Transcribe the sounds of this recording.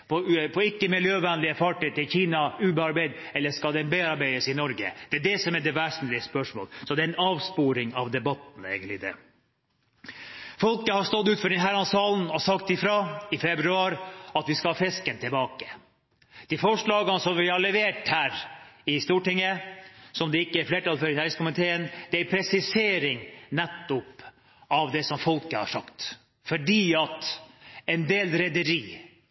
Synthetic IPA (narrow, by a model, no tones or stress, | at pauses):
pʰɔpʰɔɪkːəmɪljøːʋɛnlɪəfɑʈiːt̪ɪlçiːnɑʉːbəɑɾbæɪd̪ | ɛlːəʂkɑd̪ɛnbeɑɾbæɪd̪əsɪnɔɾɡə̰d̪̥ɛæɖɛsɔmɛɖ̪ɛʋæʂnlɪəspœʂmo̰ːlsɔd̪ɛæɪnɑːʋspuːɾɪŋɑʋd̪ɛbɑt̪n̩ḛɪɡənlɪd̪ɛ̰ | fɔlkəhɑɾst̪ɔd̪ʉːt̪fɔɖɛnɦæɾɑnsɑːln̩ɔsɑkt̪ɪfɾɑɪfɛbɾʉɑːɾɑt̪ʋɪskɑhɑːfɛskənt̪ʰɪlbɑːkə | d̪̥ifɔʂɭɑːɡənəsɔmʋɪhɑɭɛʋeːʈhæːɾɪst̪uːʈɪŋːəsɔmd̪ɛɪkːəæɾfleːʈɑlføɾɪnæɾskʊmɪt̪ʰeːənd̪ɛæɾpʰɾɛsɪseːɾɪŋnɛt̪ːʊp | ɑʋd̪ɛsɔmfɔlkəhɑ̰ʂɑkt̪ | fɔɖiːɑt̪ɛnd̪eːlɾɛd̪əɾiː